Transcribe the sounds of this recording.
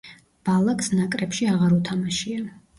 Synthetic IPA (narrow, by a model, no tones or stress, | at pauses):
b̥alˠaksnakʼɾɛpʃiaʁaɾut̪ʰamaʃia